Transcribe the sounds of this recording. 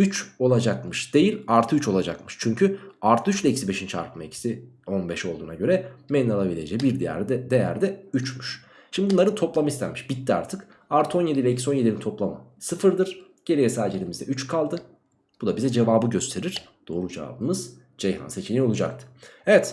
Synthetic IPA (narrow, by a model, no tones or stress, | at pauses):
yt͡ʃo̞lˠad͡ʒakmɯʃd̪̥e̞jilʲaɾt̪ʰɯyt͡ʃʰo̞lˠad͡ʒa̰kmɯʃt͡ʃʰyɲcʰyaɾt̪ʰɯyt͡ʃlʲɛicsibe̞ʃint͡ʃa̰ɾkʰɯmaḛcʰi̥si | o̞nbɛʃo̞lˠd̪uːnaɟø̞ɾɛmeninalˠabilʲed͡ʒeibiɾd̪ijæ̰ɾɛd̪ejæ̰ɾd̪ɛyt͡ʃmyʃ | ʃimb̪ibunlˠaɾɯt̪ʰo̞plˠamist̪ʰæɾmiʃbit̪ːia̰ɾt̪ʰɯk | aɾt̪ʰɯo̞nje̞d̪ilʲɛcʰi̥sonjeilʲit̪ʰo̞plˠama̰sɯfɯɾd̪ɯɾ | ɟ̥eɾʲijesaːd͡ʒilʲimizd̪ɛ̰yt͡ʃkʰalˠd̪ɯ | b̥ud̪abizɛd͡ʒe̞vaːbɯɟø̞st̪ʰe̞ɾiɾ̥d̪̥o̞ːɾud͡ʒḛva̰ːbɯmɯz̥ | d͡ʒ̥ejɾa̰nse̞t͡ʃʰinʲio̞lˠud͡ʒa̰k̚t̪ʰɯ̥evɛt̪